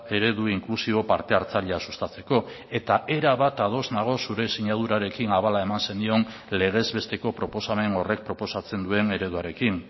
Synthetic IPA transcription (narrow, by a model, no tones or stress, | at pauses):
e̞ɾe̞ðuiŋklusiβo̞paɾt̪e̞aɾt͡saʎeasu̥st̪at͡se̞ko̞ | e̞t̪aʔe̞ɾaβat̪að̞o̞znaɣ̞o̞suɾe̞siɲað̞uɾaɾe̞kinaβalae̞manse̞nd̪io̞n | le̞ɣ̞e̞zβe̞st̪e̞ko̞pɾo̞po̞same̞no̞re̞k̚pɾo̞po̞sat͡se̞nd̪ue̞ne̞ɾe̞ðuaɾe̞kin